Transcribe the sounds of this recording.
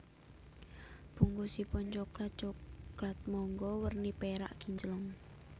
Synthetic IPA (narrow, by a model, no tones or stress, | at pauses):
b̥ṳŋɡusipɔnt͡ʃɔklat̪̚t͡ʃɔklat̪̚mɔŋɡɔwərnipeɾa̰ʔɡ̥iɲd͡ʒəlɔŋ